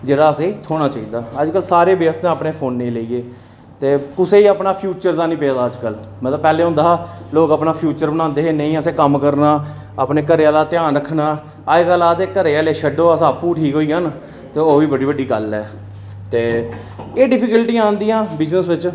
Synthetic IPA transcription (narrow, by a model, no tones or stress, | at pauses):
d͡ʒeːɽaːəseːt̪ʰoːɽ̃aːt͡ʃaːiːd̪aːəd͡ʒkəlsaːɾeːbeːst̪ãːəpɳeːpʰoːnːẽːleiːeː | t̪eːkʊseːiːapnaːpʰjuːt͡ʃəɾd̪aːnĩːpeːd̪aːəd͡ʒkəl | mət̪ləb̚pɛːleːɦʊ̃nd̪aːaːloːkəpnaːpʰjuːt͡ʃəɾbənãːnd̪eːɦeːnəĩːəsẽːkəmkəɾnaː | aːpneːkəɾeːaːlaːt̪ɪjãːnɾəkʰːnaː | aːeːkəlaːseːkəɾeːaːleːʃʰəɖoːəsãːpuːʈʰiːkɦoːiːɦaːn | t̪eːoːʋiːbəɽiːbəɖiːɡəlɛː | t̪eː | eːɖɪpʰɪkəlʈĩːãːnd̪iːãːbɪznəsʋɪt͡ʃ